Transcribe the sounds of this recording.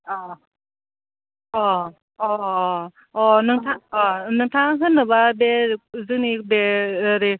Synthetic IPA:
ɔ | ɔ | ɔ | ɔnɯŋtʰaŋɔnɯŋtʰaŋɦɯnːɯbabezɯk̚nibeɾe

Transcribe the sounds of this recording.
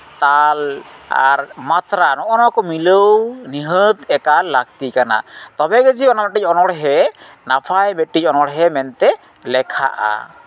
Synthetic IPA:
t̪ala̰ɾmat̪ɾanɔʔɔnɔkɔmiləwniɦət̪ɛkalːak̚t̪ikana̰t̪ɔbɛɡəd͡ʒiɔnɔmaʈic̚ˀɔnɔɽɦɛ | napʰajbɛʈicɔnɔɽɦɛmɛnt̪ɛ | lɛkʰa̰ʔa̰

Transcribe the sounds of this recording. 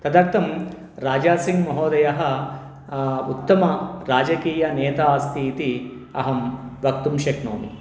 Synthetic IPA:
t̪ɐd̪ɐk̚t̪ɐm | ɾaːd͡ʒaːsiŋɡmɐɦoːd̪ɐjɐɦɐ̆ | ut̪ːɐmɐɾaːd͡ʒɐkiːjɐnɛːt̪aːst̪ʰiːt̪i | ɐ̰ɦɐmʋɐk̚t̪umʃeknoːmi

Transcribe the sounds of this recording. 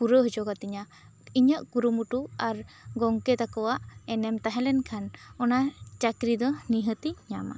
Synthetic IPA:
puɾəɦd͡ʒɔɡat̪iɲa | iɲaʔkuɾumuʈuaɾɡɔŋkɛt̪akɔwaʔɛnɛmt̪aɦɛ̃lɛnkʰanɔnat͡ʃakɾid̪ɔniɦət̪iɲama̰

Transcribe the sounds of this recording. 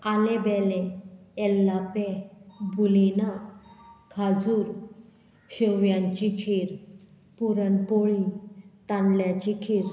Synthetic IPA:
alɛbɛlɛː | lːapɛbulina | kʰad͡zuːɾ | ɕəʋjãɲt͡ɕikʰeɾ | puɾənpoɭit̪ãnljat͡ɕikʰeɾ

